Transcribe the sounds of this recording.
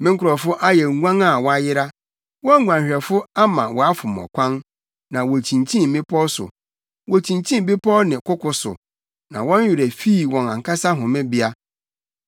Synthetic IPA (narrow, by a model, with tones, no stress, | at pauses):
mɪ̃˦ŋkʰʊ˨ɾɔ˨fʊ˦ʔa˦jɛ˨ŋʷ˦ã˦ŋa˨wɔ˦a˦jɪ˦ɾa˦ | wɔ̃˦ŋʷ˨ã˨hᶣɛ˨fʊ˦a˦mã˨wɔ˨a˦fʊ˨m˨ɔ̰˨kʷʰã˦n | nã˨wɔ˨tʰĩ˨ntʰĩ˦m˨bɪ̃˦pʰɔ˦sʊ̰˨ | wɔ˨t͡ɕʰĩ˨nt͡ɕʰĩ˦m˦bi˦pʰɔ˦nɪ̃˨kʰʊ˦kʰʊ˨sʊ̰˨ | nã̰˨wɔ̃˦n˦jᶣɪ˨ɾæ˨fiː˦˨wɔ̃˨nã˨ŋkʰa˦sa˦ɦʊ̃˨mɪ̃˦bɪ˦a˦